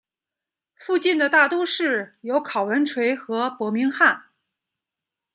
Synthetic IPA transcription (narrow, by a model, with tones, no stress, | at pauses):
fu˥˧t͡ɕi˥˩nd̪ə˩t̪a˥˩t̪wo˥ʂɻ̩˥˩jo˧˥ʊkʰɑ˨˩ʊwə˧˥nʈ͡ʂʰwe˧˥ɪxɤ˧˥pwɔ˧˥mi˧˥ŋxa˥˩n